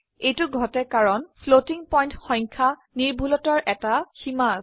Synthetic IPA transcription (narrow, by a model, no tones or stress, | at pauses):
ejtʊɡʱɔtɛkaɹɔnpʰlotiŋpɔjntxɔj̃ŋkʰa | niɹbʱulɔtaɹʔɛtaxima